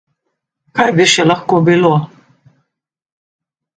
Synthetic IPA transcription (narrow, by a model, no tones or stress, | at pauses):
kʰajbiʃɛlaxkobilo